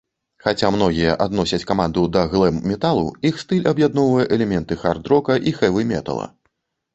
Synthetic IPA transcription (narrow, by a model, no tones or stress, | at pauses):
xat͡sʲamn̪ɔɣʲijɐʔad̪nɔsʲɐt͡sʲkamand̪ud̪ɐɣlˠɛmːʲɛt̪alˠuixst̪ɨlʲɐbjad̪nɔwvɐjɛʔɛlʲɛmʲɛnt̪ɨxard̪ɾɔkɐʔixɛvɨmʲɛ̰t̪ɐ̰lˠɐ̰